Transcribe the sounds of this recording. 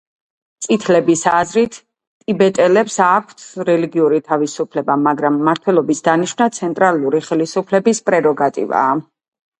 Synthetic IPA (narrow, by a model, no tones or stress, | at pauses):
t̪sʼit̪ʰlɛbisazɾit̪ʰʼ | ibɛt̪ʼɛlɛpsakʷʰt̪ʰɾɛliɡiuɾit̪ʰavisupʰlɛbamaɡɾamːaɾt̪ʰwɛlˠɔbisd̪aniʃvnat̪sʰɛnt̪ʼɾalˠuɾiχɛlisupʰlɛbispʼɾɛɾɔɡat̪ʼḭva̰ː